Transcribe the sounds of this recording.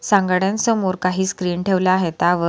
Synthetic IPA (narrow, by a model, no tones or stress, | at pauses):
sãŋɡɽjãnsəmoɾkaɦiːskɾiːɳʈʰeʋlaːɦet̪aʋə